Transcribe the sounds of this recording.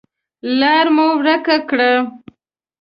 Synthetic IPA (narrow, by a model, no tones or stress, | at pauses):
lɑɾmuwɾəkakɽə